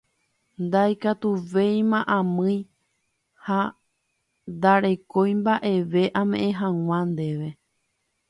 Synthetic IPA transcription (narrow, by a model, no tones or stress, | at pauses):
nd̪ajkat̪uʋe̞j̃mãʔãmɨ̃j̃ | ha | nd̪aɾe̞ko̞jmbaʔe̞ʋe̞ʔãmẽʔẽɦãŋʷãnd̪e̞ʋe